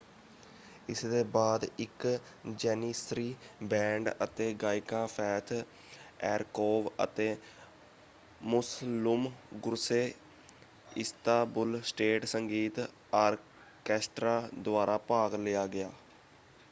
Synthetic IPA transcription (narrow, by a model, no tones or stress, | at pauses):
ɪsd̪eːbaːd̪ɪk | d͡ʒɛːnisɾiːbɛ̃ːɳɖə̰t̪eːɡaːɪkãːpʰɛːt̪ʰ | ɛːɾkoːʋə̰t̪eː | mʊslʊmɡʊɾseː | ɪst̪aːbʊlsʈeːʈsəŋɡiːt̪ | aːɾ | kɛːsʈɾaːd̪ʊaːɾaːpaːɡlɪjaːɡɪjaː